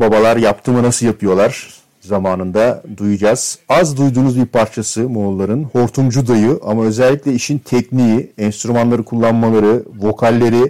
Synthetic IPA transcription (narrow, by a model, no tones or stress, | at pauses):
babalˠaɾjap̚t̪ʰɯːmɯnasɯlˠjapʰɯjo̞lˠaɾ̥ | zamaːnɯnd̪ad̪ujud͡ʒaz̥azd̪ujd̪uːnuzbiɾpʰaɾt͡ʃʰasɯmo̞lˠːaɾɯnho̞ɾt̪ʰumd͡ʒud̪ajɯʔamaø̞zɛlʲːiclʲɛiʃint̪ʰɛcnijiɛnst̪ɾumanlˠaɾɯkʰulˠːanmalˠaɾɯvo̞kʰalʲːe̞ɾi